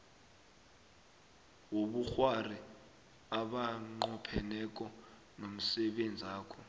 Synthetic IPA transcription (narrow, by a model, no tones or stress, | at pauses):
woɓuxwari | aɓaŋ͡ǃɔpʰɛnɛk̬ʼɔ | nom̩sɛɓend͡zʱaːkʰɔ